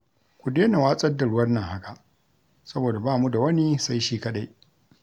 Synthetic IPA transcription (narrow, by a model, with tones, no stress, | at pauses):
kʷu˨deː˦na˨waː˦sʼɐ˦dːa˨ɽʊ˦wɐ˦rnɐ˨ŋha˦ka˨ʔ | sɐ˦boː˨da˨baː˦˨mu˦da˨wɐ˦ni˦sa˦jʃiː˦kɐ˦ɗa˦j